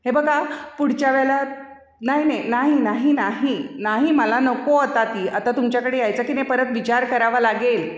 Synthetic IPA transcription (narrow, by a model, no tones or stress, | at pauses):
ɦebəɡapuɽ̤t͡ɕjaʋɛɭla | naɦinajnaɦinaɦinaɦinaɦiməlanəkoət̪at̪iːat̪at̪umt͡ɕjakəɽejajt͡səkinepəɾət̪ʋit͡ɕaɾkəɾaʋalaɡel